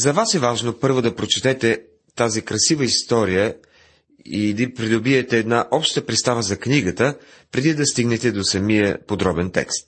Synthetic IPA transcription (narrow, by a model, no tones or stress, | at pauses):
zɐvasɛvaʒnopɤɾvod̪ɐpɾot͡ʃɛ̥t̪ɛt̪ɛ | t̪azikɾɐsivəist̪ɔɾijə | id̪ipɾid̪obiɛt̪ɛːd̪naʔɔpʃt̪əpɾɛt̪st̪avəzɐkniɡət̪ə | pɾɛd̪id̪ɐst̪iɡnɛt̪ɛd̪osɐmijəpod̪ɾɔbɛnt̪ɛ̰kst̪̚